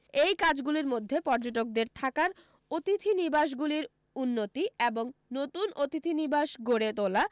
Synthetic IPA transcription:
ejkad͡ʑɡuliɾmod̪ʱːepɔɾd͡ʑoʈ̬ok̚d̪eɾt̪ʰakaɾ | ot̪it̪ʰinibaʃ̬ɡuliɾ | unːot̪ieboŋnot̪unot̪it̪ʰinibaʃɡoɽet̪ola

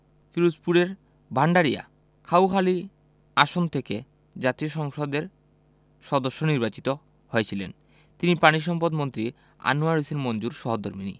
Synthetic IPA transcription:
fiɾuspuɾeɾ | bʱaɳɖaɾia̰ | kʰawkʰali | aʃont̪ʰeke | d͡ʑat̪ioʃɔŋʃod̪eɾ | ʃɔd̪oʃːoniɾbat͡ɕit̪o | hoet͡ɕʰilḛn | t̪inipaniʃ̬ɔmpod̪mont̪ɾi | a̰nuaɾiseɾmond͡ʑuɾʃɔɦod̪ʱoɾminḭ

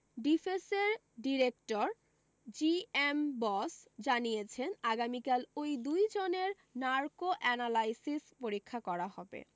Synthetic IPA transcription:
ɖifeseɾ | ɖiɾekʈoɾ | d͡ʑiembɔsd͡ʑanijet͡ɕʰenaɡamikalojd̪ujd͡ʑoneɾ | naɾkoʔɛnalajsispoɾikʰːakɔɾaɦɔbḛ

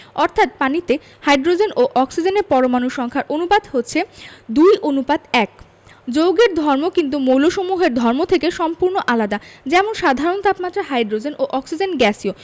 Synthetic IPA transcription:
ɔɾt̪ʰat̪̚panit̪e | hajɖɾod͡ʑenʔoʔɔksid͡ʑeneɾpɔɾomanuʃʃɔŋkʰaɾʔonupad̪ɦotːɕʰed̪ujʔonupad̪ɛk | d͡ʑowɡeɾd̪ʱɔɾmokint̪̬umowloʃomuɦeɾd̪ʱɔɾmot̪ʰekeʃɔmpuɾnoʔalad̪ad͡ʑɛmonʃad̪ʱaɾont̪apmat̪ːɾaɦajɖɾod͡ʑenʔoʔɔksid͡ʑenɡɛsio

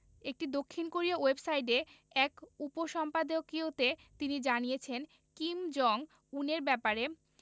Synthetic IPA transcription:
ek̚ʈid̪okʰːinkoɾiowebsajʈ̬e | ɛkupoʃɔmpad̪okiot̪et̪inid͡ʑanijet͡ɕʰen | kimd͡ʑɔŋ | uneɾbɛpaɾe

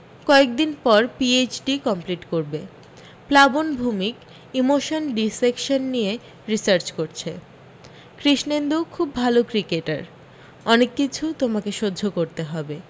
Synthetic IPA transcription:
kɔek̚d̪inpɔɾpiet͡ɕɖikɔmpliʈkoɾbe | plabonbʱumik | imoʃonɖisekʃonːie | ɾisaɾt͡ɕkoɾt͡ɕʰe | kɾiʃnend̪ukʰubːʱalokɾikeʈa̰ɾ | ɔnekːit͡ɕʰut̪omakeʃodːd͡ʑʱokoɾt̪eɦɔbe

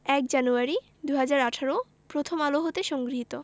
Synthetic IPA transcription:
ɛk̚d͡ʑanuaɾi | d̪uɦad͡ʑaɾaʈʰaɾo | pɾot̪ʰomaloɦot̪eʃɔŋɡɾiit̪o

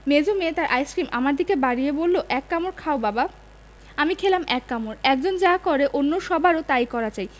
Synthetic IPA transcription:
med͡ʑomeet̪aɾʔajskɾima̰maɾd̪ʱikebaɽiebolːoʔɛkːamoɾkʰaobaba | amikʰelamɛkːamoɾɛk̚d͡ʑond͡ʑakoɾeʔonːoʃɔbʱaɾot̪ajkɔɾat͡ɕaj

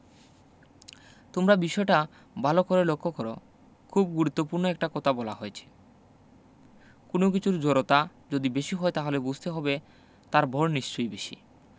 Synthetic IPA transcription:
t̪omɾabiʃɔeʈa | bʱalokoɾelokʰːokɔɾo̰ | kʰubɡuɾut̪ːopuɾnoɛk̚ʈakɔt̪ʰabɔla̰ɦoet͡ɕʰe̥ | konok̬it͡ɕʰuɾd͡ʑoɾot̪a | d͡ʑod̪ibeʃiɦɔet̪aɦolebud͡ʑʱt̪eɦɔbe | t̪aɾbʱɔɾniʃt͡ɕojbeʃḭ

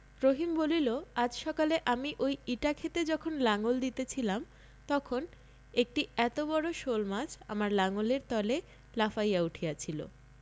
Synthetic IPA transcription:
ɾoɦimboliload͡ʑʃɔkaleʔamiʔojiʈakʰet̪ed͡ʑɔkʰonlaŋold̪it̪et͡ɕʰilam | t̪ɔkʰon | ek̚ʈiɛt̪obɔɽoʃolmad͡ʑʰa̰maɾlaŋoleɾt̪ɔle | lafajauʈʰiat͡ɕʰilo̰

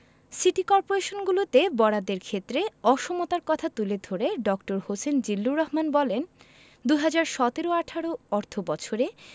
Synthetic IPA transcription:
siʈikɔɾpoɾeʃonɡulot̪ebɔɽad̪eɾkʰet̪ːɾeɔʃomot̪aɾkɔt̪ʰat̪uled̪ʱoɾeɖɔkʈoɾhosend͡ʑilːuɾɔɦmanbɔlen | d̪uɦad͡ʑaɾʃɔt̪eɾoaʈʰaɽoɔɾt̪ʰobɔt͡ɕʰoɾe

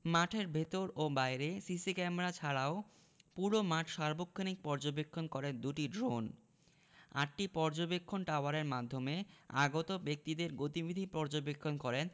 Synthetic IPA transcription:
maʈʰeɾbʱet̪oɾobajɾesisikɛmeɾat͡ɕʰaɽao | puɽomaʈʰʃaɾbokʰːanik̚pɔɾd͡ʑobekʰːonkɔɾend̪uʈiɖɾon | a̰ʈ̚ʈipɔɾd͡ʑobekʰːonʈawaɾeɾmad̪ʱːomea̰ɡot̪obek̚t̪id̪eɾɡot̪ibid̪ʱipɔɾd͡ʑobekʰːonkɔɾen

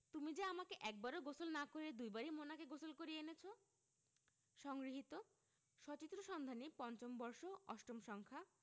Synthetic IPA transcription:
t̪umid͡ʑaamakeʔɛk̚baɾoɡosolnakoɾed̪ujbaɾimonakeɡosolkoɾienet͡ɕʰo | ʃɔŋɡɾiɦit̪o | ʃɔt͡ɕit̪ːɾoʃɔnd̪ʱanipɔnt͡ɕombɔɾʃoɔ̰ʃʈomʃɔŋkʰa

